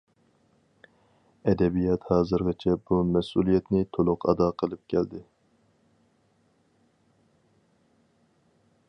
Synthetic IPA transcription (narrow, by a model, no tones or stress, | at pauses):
ɛd̪ɛbijɑt̪hɑːzɨɾʁɨt͡ʃʰɛbumɛsulˠijɛt̪nɪt̪ʰolˠʊqɑ̰d̪ɑqʰəlˠɨp̚kʲʰɛld̪ɪ